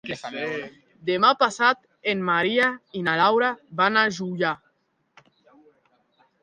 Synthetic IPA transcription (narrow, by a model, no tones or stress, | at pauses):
d̪emapasat̪ | enmaɾiainalawɾabanaʒuja